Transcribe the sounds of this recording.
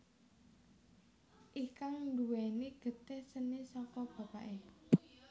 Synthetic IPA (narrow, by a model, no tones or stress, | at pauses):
ʔikaŋɳɖuwɛniɡ̥ə̤t̪ehsənisɔkɔb̥ä̤paʔe